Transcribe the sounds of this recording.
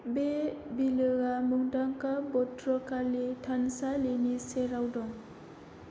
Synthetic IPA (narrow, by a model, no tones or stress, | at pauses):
be | bilɯɡamɯŋdaŋkabɔtɾɔkalitʰansaleniseɾawdɔŋ